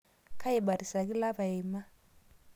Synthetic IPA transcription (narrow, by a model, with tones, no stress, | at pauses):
kʰa˦i˨ba˨ɾi˨sa˨k̬i˦la˦βa˨i˨ma˦